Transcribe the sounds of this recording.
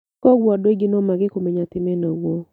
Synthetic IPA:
kɔɡwɔdweɡɪnɔmaɡɪkomeɲat̪ɪmɛnawo

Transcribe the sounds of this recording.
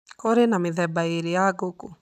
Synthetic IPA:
kɔɾenamɪðɛbaeɾeaɡoko

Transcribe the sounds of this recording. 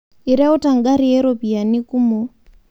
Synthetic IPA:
iɾautaŋɡaɾieɾopianikumo

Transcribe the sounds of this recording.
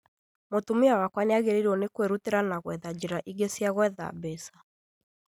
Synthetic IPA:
motumiawakwaneaɣeɾeɾɔnekweɾuteɾanaɣwɛðad͡ʑiɾaʔiɡesjaɣwɛða̰bɛsḁ

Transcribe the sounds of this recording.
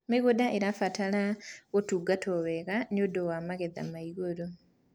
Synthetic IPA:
meɣodaʔeɾafatalaɣotuːɡatʰoβeɣanodowamaɣeða̰maiɣoɾo

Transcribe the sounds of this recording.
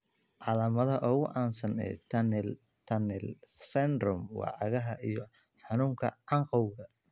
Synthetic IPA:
ʕɑlɐmɐðɐʔɔːɣʊʔaːnsɐnɛ̰t̪ʰɐnl | t̪ʰɐnɛlsɛnd̪rʊmwɑ̰ːʕɑɣɐɦɐʔijɞ | ħɑnuːŋkʰɐ̰ʕɑɴqɔwɣɐ

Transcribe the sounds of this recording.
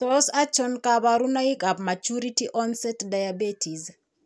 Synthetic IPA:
ɔsat͡ʃɔnkabaɾunaikapmat͡ʃuɾitiʔɔnsɛtdajabetʰis

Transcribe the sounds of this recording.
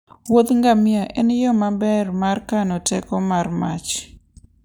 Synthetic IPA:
wot̪ŋɡamɪaʔɛnjɔmabɛrmarkanɔtɛkɔmarmat͡ʃ

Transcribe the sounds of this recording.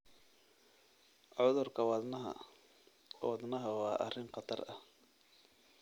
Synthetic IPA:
ʕʊðʊrkʰɐwɑnɦɐ̰ | wɐd̪nɐɦɐwɑːʔɐ̰rɪŋqɑt̪ʰɐ̰rɐ̰h

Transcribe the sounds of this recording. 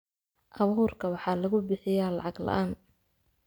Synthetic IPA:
ʔɑβuːrkʰɐwɑħɑːlɐɣʊbɪħɪjaːlɑ̰ʕɑɡlɐ̰ʔaːn

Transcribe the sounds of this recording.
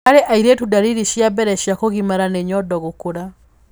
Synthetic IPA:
aɾeʔaiɾetudaɾiɾiʃiabɛɾɛɕjakoɣimaɾaneɲɔdɔɣokoɾa

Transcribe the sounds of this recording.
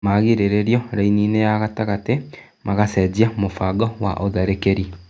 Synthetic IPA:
maɣeɾeɾeɾjɔɾainiːnejaɣataɣate | maɣasɛziamofaɡɔwa̰ʔoðɛɾekeɾi

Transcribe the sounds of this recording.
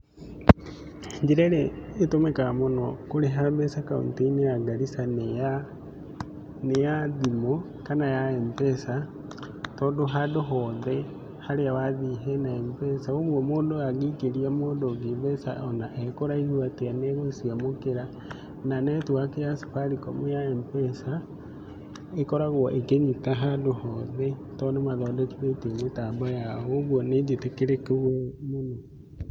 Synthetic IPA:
ɲd͡ʒiɾɛɾeːtomekamonɔkoɾeɦaβesakaṵnteineaɡaɾisan | nejaðimo | kanajaempɛsa | tɔdoɦadoɦɔðɛ | haɾeawaðiɦɛnaɛmpɛsaoɣwɔmoːndoaɣikeɾiamoːndoɣiβɛsa̰ʔɔnaʔɛkoɾaiɣwateaneɣosiamokeɾa | nanɛtwakejaso̥faɾikɔ̰mojaɛmpɛsa | ekɔɾaɣwɔʔekeɲitaɦadohɔðe | tɔnemaðɔːdɔkiβeitemetaːmbajaoɣwɔnedetekeɾekewemono

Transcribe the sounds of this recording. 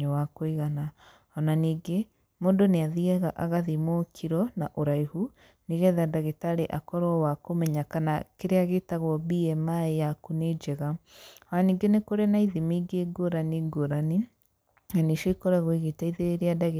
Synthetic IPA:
owakoiɣana | ɔnaniːɡe | mondoneaðiaɣaʔaɣaðimokʰiɾɔnaʔoɾaihu | niɣɛðadaɣetaːɾeʔakɔɾɔwakomɛɲakanakeɾeaɣetaɣwɔbiɛmaejakuned͡ʒɛɣaɔnaniːɡenekoɾenaiðimiɡeɡoɾaniɡoɾani | naneʃoikɔɾaɣoiɣetaiðeɾeɾeadaɣe

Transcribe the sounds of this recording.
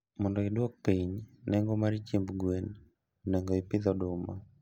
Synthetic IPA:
mɔndɔɪdwɔk̚piɲnɛŋɡɔmaɾit͡ʃembɡwen | nɛŋɡɔɪpɪd̪ɔdʊma

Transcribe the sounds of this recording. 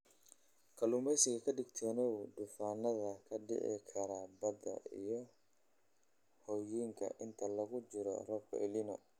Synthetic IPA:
kʰɐlumbɛjsɪɣɐkʰɐɖɪɡt̪ʰɔːnɔwdʊfaːnɐðɐkʰɐɖɪ̰ʕɪ̰kʰɐɾabɐdɐ̰ḭjɔ | hɔːjiːŋkʰɐ̰ʔɪnt̪ʰɐlɐɣʊt͡ʃɪɾɔ̰rɔbkʰɔ̰ʔɪlinɔ̰

